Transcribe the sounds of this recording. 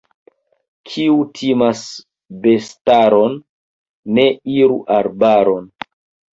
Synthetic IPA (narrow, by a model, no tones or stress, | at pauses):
kʰiutʰimas | bestaɾonː | e̞iɾṵʔaɾbaɾon